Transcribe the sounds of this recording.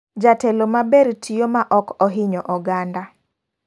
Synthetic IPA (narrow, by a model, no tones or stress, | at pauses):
d͡ʒatelomabeɾtʰijomaʔɔkɔɦɪɲɔʔɔɡanda